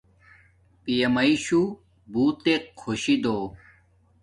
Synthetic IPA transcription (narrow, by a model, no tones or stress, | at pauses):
pijɐmɐiɕu | buːt̪ekʰːoɕid̪oː